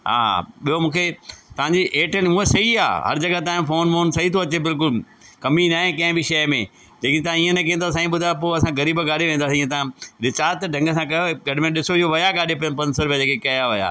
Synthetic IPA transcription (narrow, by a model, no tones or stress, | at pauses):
ɦa̰ːɓijomũːkʰet̪ɐʋ̤ãɲd͡ʑiʔeːʈəɽ̃muːɦesɐia̰ːɦɐ̰ɾd͡ʑɐɡat̪̬aːɪ̃mfoːnmoːnsɐɦit̪ʰoɐt͡ɕebɪlk̬ʊl | kɐminaːɦẽkɐ̃ɦɪ̃bʱiʃɐjmḛ̃ | d͡ʑeːkɪ̃t̪ɐãiːə̃nẽk̬ĩːnd̪os̬ãːĩɓʊd̪ʱaep̬oːɐsãɡɐɾiːbɡaːɾiʋẽːnd̪aːsiĩːẽt̪ɐãɾɪt͡ɕaːt̪ɖʱɐ̃ŋɡəs̬ãkɐjoɡɐɖ̤ɪmẽɗɪsoɪɦoʋɐjaɡaːɗepɐjənpɐ̃nsoɾʊbjad͡ʑeːkekɐjaʋɐja̰ː